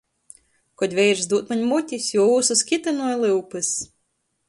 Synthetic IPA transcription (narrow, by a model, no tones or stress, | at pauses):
kɔd̪ʲvʲɛjɾzd̪uːt̪maɲʲmut̪ʲisʲjuɔuːsuskʲit̪ɨnuɔjlˠɨwpɨs